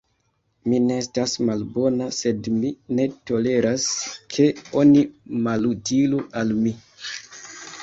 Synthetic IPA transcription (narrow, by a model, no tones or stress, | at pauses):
mineestasmalbo̞nase̞dmine̞to̞le̞ɾaskʰe̞o̞nimalutiluʔalmi